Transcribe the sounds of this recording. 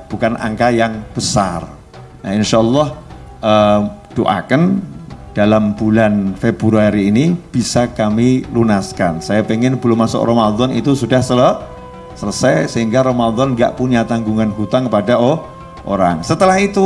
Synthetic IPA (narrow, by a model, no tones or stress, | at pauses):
b̥ukanʔa̰ŋkajaŋb̥əsar | naɪnʃalːɔh | ʔəd̥oʔa̰kənd̥alambulanfebuɾuaɾiːnib̥isakamilunaskansajapeŋɪnbəlʊmːasʊ̰kromad̪ɔnḭt̪usudahsələ | sələsɛjsəɦiŋɡaɾomad̪ɔnŋɡa̰ʔpuɲat̪aŋɡuŋanɦut̪aŋkəpadaʔo | ʔo̰ɾaŋsət̪əlahit̪u